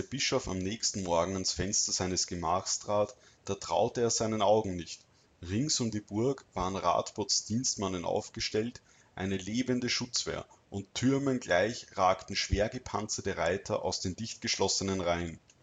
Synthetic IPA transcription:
d̥eːɐb̥ɪʃɔfa̰mnɛːçstn̩mɔɐɡŋ̩ansfɛnstɐzaɪnəsɡ̥əmaːxstʁ̥aːt | d̥aːtʁ̥aʊtəeːɐzæɪnənaʊɡŋ̩nɪçt | ʁɪŋsʊmdiːbʊɐkv̥aːʁənʁa̰ːtb̥ot͡sd̥iːnstmanənʔa̰ʊfɡ̥əʃtɛlt | ʔa̰ɪnəleːbəndəʃʊt͡sv̥ḛːɐʔʊntʰːʏɐmənɡlaɪçʁaːktn̩ʃv̥eːɐɡəpʰant͡sɐtəʁaɪtʰɐ̰ʔa̰ʊsd̥eːndɪçtɡ̥əʃlɔsənənʁaɪn

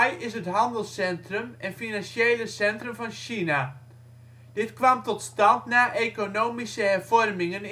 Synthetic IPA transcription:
jɪsətɦɑndəlˠsɛntrəmɛnfinɑnsejləsɛntrəmvɑnʃina | d̥ɪtkʋɑmtɔtstɑntnaːʔekonoːmisəɦɛrv̥ɔrmɪŋən

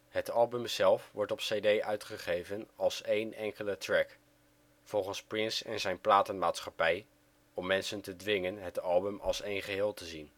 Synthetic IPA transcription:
hətɑlˠbɵmzɛlˠfʋɔɹtɔpsejdejʔœɥtχəχejvənɑlˠsejnɛŋkələtrɛk | fɔlˠχənsprɪnsɛ̰nzɛjnplaːtənmaːtsχɑpɛj | ɔmːɛnsəntədʋɪŋənɦətɑlˠbɵmɑ̰lˠsejnχəɦɪːlˠtəzin

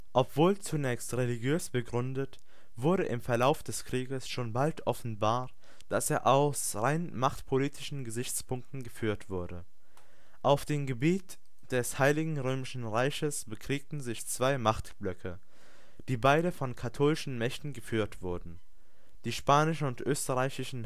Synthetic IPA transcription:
ʔɔpv̥oːlt͡sunɛːçstʁeliɡjøːsb̥əɡʁʏndət | v̥ʊɐɾəʔɪmfɛɐlaʊfd̥ɛskʁ̥iːɡəsʃoːnbaltʰʔɔfn̩baːɐ | d̥aseːɐʔaʊs | ʁaɪnmaχtpʰoliːtʰɪʃn̩ɡəzɪçt͡spʰʊŋk̚tn̩ɡəfyːɐtv̥ʊɐdə | ʔaʊfd̥eːmɡəbiːt | d̥ɛshaɪlɪɡŋ̩ʁøːmɪʃn̩ʁaɪçəsb̥əkʰʁ̥iːk̚tn̩zɪçt͡sv̥aɪmaχtb̥lœkʰə | d̥iːbaɪɾəfɔnkʰatʰoːlɪʃn̩mɛçtn̩ɡəfyːɐtv̥ʊɐdn̩ | d̥iːʃpaːnɪʃn̩ʊntʔøːstəʁaɪçɪʃn̩

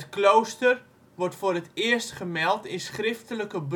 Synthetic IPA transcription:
tklowstər | ʋɔrtfʊːrətɪəstχəmɛlˠtɪnsχrɪftələkəb

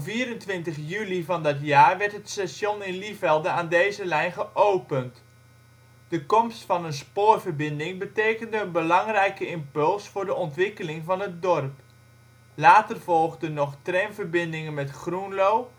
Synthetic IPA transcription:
viːɾəntʋɪntəχjylivɑndɑtjaːɹʋɛɹtɦətsaʃɔnɪnlifɛlˠdəaːndejzəlɛjnχəʔowpənt | d̥əkɔmstfɑnənspʊːrvərbɪndɪŋbətejkəndəənbəlɑŋrɛjkəɪmpɵlˠsfʊːɹdəɔntʋɪkəlɪŋvɑnɦət̚dɔrp | laːtərvɔlˠχdənɔχtrɛnvərbɪndɪŋənmɛtχrunlow

